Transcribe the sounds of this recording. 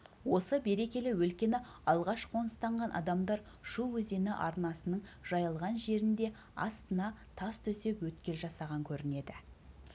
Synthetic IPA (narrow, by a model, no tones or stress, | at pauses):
wo̞səbe̞ɾe̞kʲe̞lɪwɵlkʲe̞nɪɑlˠʁɑʃqʰo̞nəst̪ɑɴʁɑnʔɑ̰d̪ɑmd̪ɑɾ | ʃuwɵze̞nɪʔɑ̰ɾnɑsənəɴʒ̥ɑjəlˠʁɑnʒe̞ɾɪnd̪e̞ | ɑ̰st̪ənɑt̪ʰɑst̪ʰɵse̞pwɵt̪kʲe̞lʒɑsɑʁɑŋkʲʰɵɾɪne̞d̪ɪ